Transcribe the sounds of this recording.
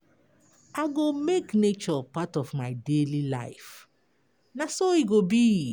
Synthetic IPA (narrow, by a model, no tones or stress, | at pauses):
aɡomeknet͡ʃɔpatɔvmaɪdelila̰ɪf | nasoiɡobi